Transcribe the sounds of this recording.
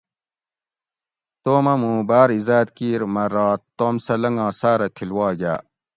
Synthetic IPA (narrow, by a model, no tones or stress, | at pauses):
t̪oːmɐmũːbaːɾizaːd̪kiːɾmɐɾaːt̪t̪ːoːmsɐlɐŋɡãːsaːɾɐt̪ʰilwaːɡa̰ː